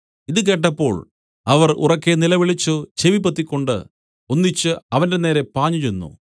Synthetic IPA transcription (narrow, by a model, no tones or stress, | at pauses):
iðɨk̬e̞ːʈːɐpːo̞ːɭ | ɐʋɐrṵrɐkːe̞nilɐʋiɭit͡ɕːɨt͡ɕeʋipːɐt̪ːikʲːo̞ɳɖɨ̰ | o̞nːit͡ɕːɨɐʋɐnde̞ne̞ːɾe̞paːɲːut͡ɕe̞nːṵ